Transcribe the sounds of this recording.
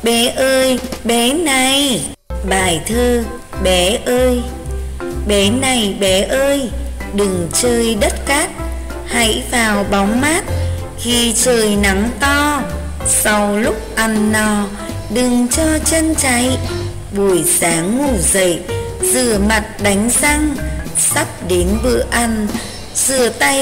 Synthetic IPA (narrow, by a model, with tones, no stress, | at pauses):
ɓɛ˨˦ʔəː˧jɓɛ˨˦na˨˩j | ɓaː˧˩jt̪ʰəː˧ | ɓɛ˨˦ʔəː˧j | ɓɛ˨˦na˨˩jɓɛ˨˦ʔəː˧jɗɨ˨˩ŋt͡ɕəː˧jɗə˦˥t̚kaː˦˥t̚ | ha̰˧˥jvaː˨˩wɓa˨˦wŋ͡mmaː˦˥t̚ | xi˧t͡ɕəː˨˩jna˨˦ŋt̪ɔ˧ | sa˧wlʊ˦˥k͡p̚ʔa˨˧˩nːɔ˨˧˩ | ɗɨ˨˩ŋt͡ɕɔ˧t͡ɕə˧nt͡ɕa˨˦j | ɓu˧˩əjsaː˨˦ŋːu˧˩zə̰˧˨j | zɨ̰˧˩əma˨˩t̚ɗa˨˦jŋ̟za˧ŋ | sa˦˥p̚ɗe˨˦nvɨ̰˧˨əʔa˧˩n | z̥ɨ̰˧˨ət̪a˧j